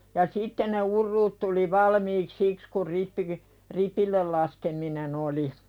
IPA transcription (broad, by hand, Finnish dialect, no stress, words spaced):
jɑ sitːe ne urːuːt tuli ʋɑlmiːk siks kur ripːiɡ̊i ripilːel lɑskeminen oli